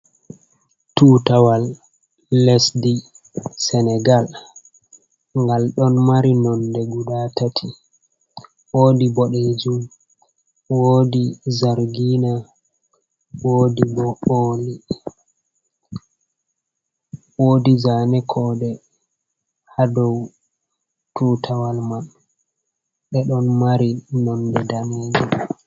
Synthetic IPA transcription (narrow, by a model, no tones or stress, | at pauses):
tuːtawalː | ɛsdi | sɛnɛɡal | ŋɡalɗɔnmaɾinɔndɛɡuɗatatʰi | woːdibɔɗɛd͡ʒum | woːdizaɾɡina | wodibɔoli | woːdizanɛkʰɔːɗɛ | hadɔw | tuːtʰawalman | ɓɛɗɔnmaɾinɔndɛdaned͡ʒum